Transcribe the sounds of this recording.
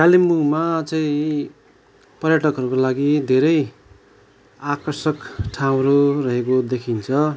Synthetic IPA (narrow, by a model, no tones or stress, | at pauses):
kalimːumat͡sʌĩ | pʌrjaʈʌkɦʌɾukolaɡid̪ʱeɾʌj | akʌrsʌkʈʰaw̃ɾorʌɦekod̪ekʰint͡sʰʌ